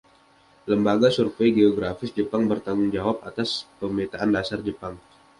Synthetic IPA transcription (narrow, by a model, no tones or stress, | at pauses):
ləmbaɡasurfejɡeoɡɾafɪsd͡ʒəpaŋbərt̪aŋʊŋd͡ʒawap̚at̪aspəmet̪aandasard͡ʒəpaŋ